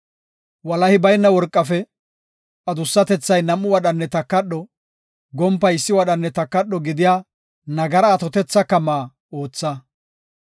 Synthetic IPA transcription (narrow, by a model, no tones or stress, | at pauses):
wɐlɐhɪbɐjnːɐwɔɾkʼːɐfɛ | ʔɐd̪ʊsːɐt̪ɛt͡sːɐjnɐmːʊwɐɗɐnːɛt̪ɐkːɐɗːɔ | ɡɔmpːɐjɪsːɪwɐɗɐnːɛt̪ɐkːɐɗːɔɡɪd̪ɪjaː | nɐɡɐɾɐːt̪ɔt̪ɛt͡sːɐkɐmaː | o̞ːt͡sːɐ